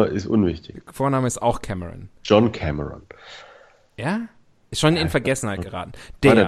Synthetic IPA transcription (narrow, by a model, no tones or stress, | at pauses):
ɐʔɪ̰stʔʊ̰nvɪçtɪçfoːɐnaːməɪsta̰ʊxkʰɛməʁɔ̰nd͡ʒɔnkʰɛməʁɔ̰n | jaː | ʔɪsʃoːnɪnfɛɐɡɛsn̩haɪɡ̥əʁa̰ːtn̩d̥eː